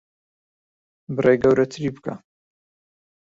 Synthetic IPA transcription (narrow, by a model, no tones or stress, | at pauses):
bɨrejɡɐwɾɐt̪ʰɨɾibɨkʰa̰